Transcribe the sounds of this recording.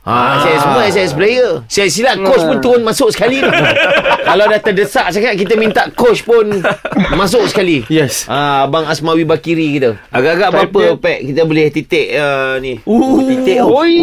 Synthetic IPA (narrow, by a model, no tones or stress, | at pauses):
asajasəas̬ajəsəplejəssilaʔkot͡ʃpʊnt̪uɾʊnmasʊʔ̚sə̥kalit̪ukalawdaht̪ədəsaʔsaŋaʔ̪̚kit̪əmĩnt̪aʔkot͡ʃpʊnmãs̬ʊʔsə̥kalijɛsabaŋasmawibakiɾikit̪əaɡaʔaɡaʔbapəpɛʔkit̪əbolɪht̪it̪ɪʔəniut̪it̪eʔ